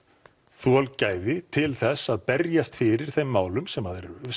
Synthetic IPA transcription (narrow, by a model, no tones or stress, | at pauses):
θualcaːjðɪt̪ʰɪlθɛsːaðpɛɾjast̪fɪɾɪɾ̥θejmːaːwlʏmsɛmaðɛɾ